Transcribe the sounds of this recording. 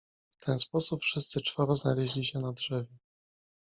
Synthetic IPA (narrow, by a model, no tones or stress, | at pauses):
ft̪ʰɛnspɔsupfʂɘst̪sɘt͡ʂfaɾɔznalɛʑlʲiɕɛnadʐɛvʲjɛ